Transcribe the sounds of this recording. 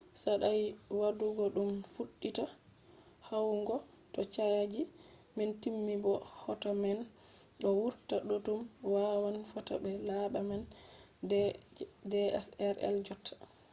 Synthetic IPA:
saɗajwaduɡɔɗumfuɗːita | hawŋɡɔ | tɔt͡ʃajad͡ʒi | mɛntimːibɔhɔtamɛn | ɗɔwuɾtaɗɔtumwawanfɔta̰bɛlaɓaman | dɛɛ̰sɛɾɛ̰ld͡ʒɔtʰːḁ

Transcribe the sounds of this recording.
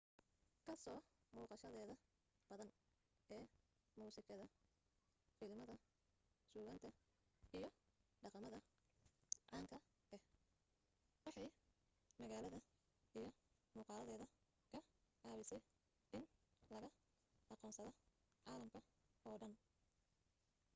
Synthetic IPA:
kʰɐsɔːmuːqɑʃɐðɛːðɐ | b̥ɐðɐn | ɛː | muːsɪkʰɐðɐ | fɪlmɐðɐ | suːɣɐnt̪ʰɐ | ijɞɖɑqɑmɐðɐ | ʕɑːŋkʰɐ | ɛh | wɑħɑj | mɐɣaːlɐðɐ | ijɞmuːqɑːlɐðɛːðɐ | kʰɐʕɑːβɪsɛj | ɪnlɐɣɐ | ɑqɔːnsɐðɔ | ʕɑːlɐmkʰɐɔːɖɐn

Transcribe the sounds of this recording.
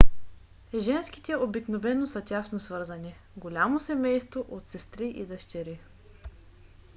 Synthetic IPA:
ʒɛnsk̟i̥t̪ɛobiknovɛnːosɐtʲasnosvɤɾzɐni | ɡolʲamosɛmɛjst̪voʔot̪sɛst̪ɾiʔḭd̪ɐʃt͡ʃɛɾi

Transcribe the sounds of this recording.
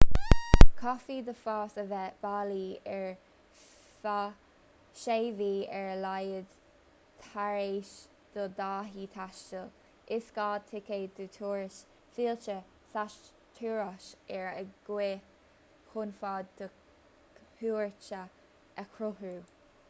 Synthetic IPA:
kʰɔfiːd̪əfɑːsəvɛb̥aːliːɛɹ | fa | ʃeːviːɛɹlajəd̪ | tʰaɹeːʃ | d̪̥əd̪aːɦiːt̪ʰaʃt͡ʃəl | ʔɪskɑːd̚t̪ʰɪkeːd̪ət̪ʰuːɹɪʃ | fiːlt͡ʃə | saʃ | tʰuːɹaʃɛɹəɡ̥we | kʰʊnfaːdd̪̥ə | huːɹt͡ʃə | ʔəkʰɾʊhuː

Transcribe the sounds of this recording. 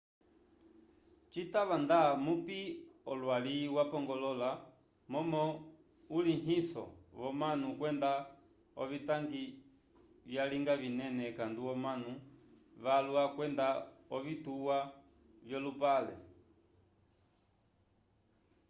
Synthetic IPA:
t͡ʃitaʋandamupiɔlwaliwapɔŋɡɔlɔla | mɔmɔ | uliɦisɔ̰ʋɔmanukwɛnda | ɔvitaŋɡi | vjaliŋɡavinɛnɛkanduɔmanu | ʋaluakwɛndaɔvituwa | vjɔlupalɛ̰

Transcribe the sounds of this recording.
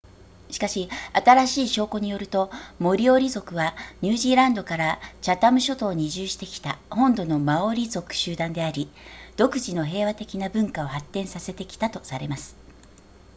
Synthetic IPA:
ɕi̥kaɕiat̪aɾaɕiːɕo̞ːko̞ɲ̟ijo̞ɾɯ̟t̪o̞mo̞ɾʲio̞ɾʲizo̞kɯ̟βaɲ̟ɨːʑiːɾãnd̪o̞kaɾat͡ɕat̪amɯ̟ɕo̞t̪o̞ːɲ̟iʑɨːɕi̥t̪e̞kʲi̥t̪ahõ̞nd̪o̞no̞mao̞ɾʲizo̞kɯ̟̥ɕɨːd̪ãnd̪e̞aɾʲid̪̥o̞kɯ̟ʑino̞ɦe̞ːβ̞at̪e̞kʲinabɯ̟̃ŋkao̞hat̪ːẽ̞ɰ̃sase̞t̪e̞kʲi̥t̪at̪o̞saɾe̞masɨ̥

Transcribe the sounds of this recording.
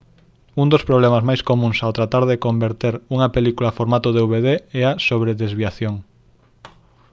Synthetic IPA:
und̪ospɾoβ̞lɛmazmajskomũŋsawt̪ɾat̪aɾðekombeɾt̪eɾuŋɐpelikulafoɾmat̪oðeuβeðeɛasoβɾeðezβiaθjoŋ

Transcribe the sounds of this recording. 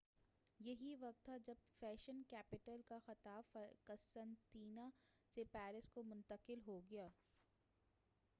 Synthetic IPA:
jɐɦiʋɐq̚t̪ɦad͡ʒɐb̚fɛːʃənkɛːpɪʈəlkaxɐt̪aːfkɐsə̃nt̪iːnasepɛːɾɪskomʊ̃nt̪əqɪlɦoɡɐjaː

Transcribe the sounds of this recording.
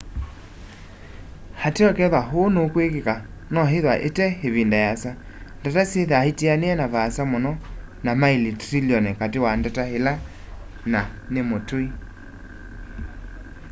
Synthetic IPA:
hateɔkɛðwaɦonokwekeka | nɔɦeðwaʔetɛheβindajasa | ndataseðahitianeɛnaβasamonɔnamailitɾiljɔnɛkatewandatahela | nanemotoi

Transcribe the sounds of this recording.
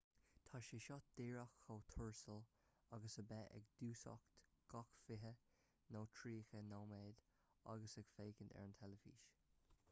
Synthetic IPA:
t̪ʰaʃiʃɔt̚d̪̥eːɹaxxowt̪ʰʊɹsəl | aɡəsəbɛʔɛ̰ɡd̪̥uːsɔ̰kt̪ɡ̥ɔkfɪɦə | noːtʰɹiːxənowmɛːd̪ | a̰ɡəsɛɡ̥feːkəndɛ̰ɹnt̪ʰɛləfḭːʃ

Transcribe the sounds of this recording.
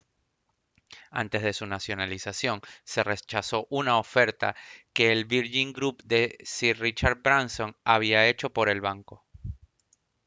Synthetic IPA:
a̰nt̪e̞zðe̞sunasjo̞nalisasjo̞ŋse̞re̞t͡ʃaso̞ʔunaofe̞ɾt̪a̰ke̞ːlβiɾʝiŋɡɾupd̪e̞sirit͡ʃaɾd̪̚bɾanso̞ŋaβ̞iae̞t͡ʃo̞po̞ɾe̞lβaŋko̞

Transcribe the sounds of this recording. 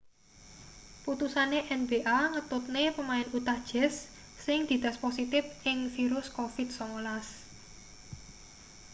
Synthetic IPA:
put̪usaneʔɛnbeʔaŋət̪ʊt̪̚nepəmaɪnut̪ad̥ʒ̥ɛsː | ɪŋd̪̥i̤d̪̥a̤sposit̪ɪfɪŋfiɾʊskofɪt̪̚sɔŋolas

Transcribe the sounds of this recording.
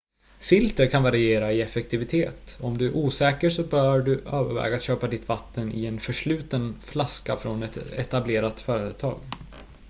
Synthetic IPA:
fɪlt̪əɾkʰanvaɾɪeːɾaɪɛfɛk̚t̪ʰɪvɪt̪ʰeːt̪ɔmd̪ɵæɾʔuːsɛːkəsɔbœɖɵøːvə̰ɾvɛ̰ːɡat̪ɕøːpad̪ɪt̪vat̪ːənɪ̰ɛnfœʂɭʉ̟ːt̪ənflaska̰fɾɔnɛt̪ɛ̰t̪ableːɾat̪fœːɾət̪ʰɑ̰ːɡ

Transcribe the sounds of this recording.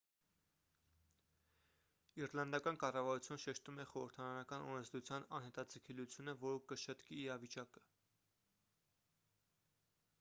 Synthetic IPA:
iɾlɑnd̪ɑkɑnkɑrɑvɑɾut͡sʰjunəʃɛʃt̪umɛχɔɾəɾt̪ʰɑɾɑnɑkɑnɔɾɛnd͡zd̪ɾut͡sʰjɑnɑnhɛt̪ɑd͡zəkʰɛlut͡sʰjunəvɔɾəkəʃət̪kiːɾɑvit͡ʃɑkə̥

